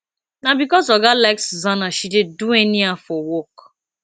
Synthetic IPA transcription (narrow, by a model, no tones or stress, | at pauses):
nabikɔsɔɡalakszanaʃidedueniafɔwɔk